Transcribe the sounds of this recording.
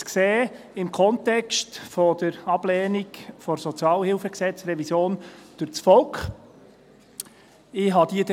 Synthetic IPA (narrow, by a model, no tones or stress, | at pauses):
kseː | ɪmkʰɔntɛkstfɔd̥̪əɾɑb̥lɛːnikfɔɾsɔt͡sjɑːlhɪlfəksɛt͡srɛvisjoːnd̥ʊɾt͡sfɔlkχ | ɪɦɑd̪id̪